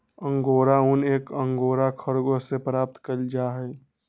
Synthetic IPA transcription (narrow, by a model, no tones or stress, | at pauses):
əŋɡoːɾauneːkəŋɡoːɾakʰəɾɡosepɾaːp̚t̪kəld͡ʒaɦɛ